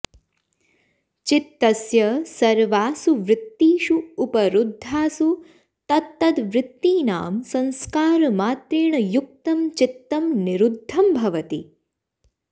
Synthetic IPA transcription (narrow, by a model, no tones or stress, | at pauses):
t͡ʃit̪ːɐsjɐsɐɾʋaːsuʋɾɪt̪ːiːʃuːpɐɾud̪ʱːaːsu | t̪ɐt̪ːɐd̪ʋɾɪt̪ːiːna̰ːmsɐ̃ñskaːɾɐmaːt̪ɾiːɳɐjuk̚t̪ɐmt͡ʃit̪ːɐmniɾud̪ʱːɐmbʱɐʋɐt̪i